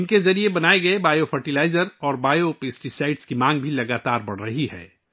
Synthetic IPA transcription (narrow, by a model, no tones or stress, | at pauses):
ɪnkezɐɾiebɐnaːeɡɐebaːjofʰɐɾʈilaːɪzəɾɔːɾbaːjopeːsʈisaːɪʈskimãːŋɡbʱilɐɡaːt̪aːɾbɐɽ̤ɾɐɦiɦɛ̰ː